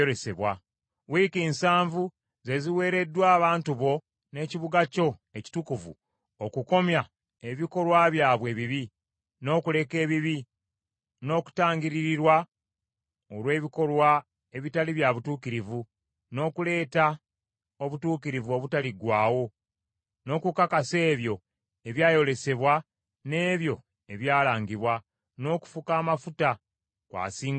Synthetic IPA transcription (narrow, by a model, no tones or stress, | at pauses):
oɾe̞se̞̰βwa̰ | wiːkiːnsaːɱvu | ze̞ziwe̞ːɾe̞dːwaːβaːntuβo̞ | ne̞ːciβuɡaco̞e̞ci̥tukuvṵ | okuko̞mja | e̞βiko̞lwaβjaːβwe̞ːβiβi | no̞ːkule̞ke̞ːβiβi | no̞ːku̥taːɲɟiɾiɾiɾwa | olwe̞ːβiko̞lwa | e̞βitaliβjaβutuːkiɾivu | no̞ːkule̞ːta | o̞βutuːkiɾivuo̞βutaliɡwaːwo̞ | no̞ːkukakase̞ːβjo̞ | e̞βjaːjo̞le̞se̞βwa | ne̞ːβjo̞ | e̞βjaːlaːŋɡiβwa | no̞ːku̥fukaːmafuta | kwa̰ːsiːŋ